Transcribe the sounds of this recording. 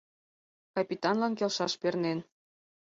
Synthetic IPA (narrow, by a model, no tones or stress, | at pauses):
kɑpʲit̪ɑnlɑnkelʃɑʃpernen